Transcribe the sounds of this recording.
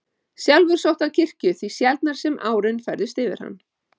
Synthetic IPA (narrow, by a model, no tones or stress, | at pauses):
sjalvʏɾ̥sowht̪aðcʰɪr̥cʏθvisjɛlt̪naɾ̥sɛmʔaːwɾɪnfɛɾðɪst̪ɪvɪ̰ɾ̥ha̰nː